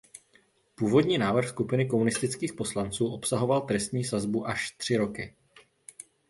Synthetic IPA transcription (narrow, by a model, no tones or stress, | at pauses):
puːvo̞dɲiːnaːvr̩xskupɪnɪk̬o̞munɪst̪ɪt͡skiːxpo̞slant͡suːʔo̞psaɦo̞valt̪ɾɛst̪ɲiːsazbuʔaʃt̪r̝̥ɪɾo̞kɪ